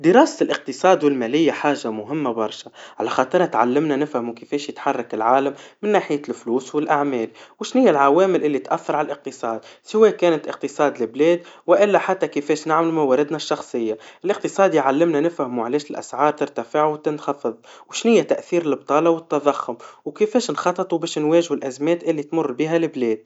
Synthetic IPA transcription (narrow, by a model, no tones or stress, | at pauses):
d̪ɪɾɑːsɪlʔɪq̚t̪ɨsˤɑːd̪wɪlmæːlɪjːaħaːʒːamʊɦɪmːabɑɾˤʃaʕalæxɑːt̪ˤɑɾˤɑt̪ʕalːɪmnanɪfhɪmukɪfɛːʃjɪt̪ħɑrˤːɑkɪlʕaːlamːɪnːaːħɪjælfluːswɪlʔaʕmɛːlwɪʃnɪjːælʕawɛːmɪlʔɪlːit̪ʔæθːɑɾʕalalʔɪq̚t̪ɨsˤɑːd̪sɪwɛːkɛːnɪt̪ʔɪq̚t̪ɨsˤɑːd̪lɪblɛːd̪wɪʔɪlːæħat̪ːækɪfɛːʃnɪʕmɪlumawɛːɾɪd̪naʃːɑxsˤɨjːaʔɪlʔɪq̚t̪ɨsˤɑːd̪jʕalːɪmnænɪfhmuʕalɛːʃɪlʔæ̰sʕɑːɾˤt̪ɪɾt̪afɪʕwt̪ɪnxɑfɨðˤwʃnɪjːæt̪aʔθiːɾɪlb̚t̪ˤɑːlɑwɪt̪ːɑðˤɑxʊmwkɪfɛːʃnxɑt̪ˤːɨt̪ˤubɛːʃnwɛːʒhʊlʔæzmɛːt̪ʔɪlːit̪mʊrˤːbiɦælɪblɛːd̪̥̚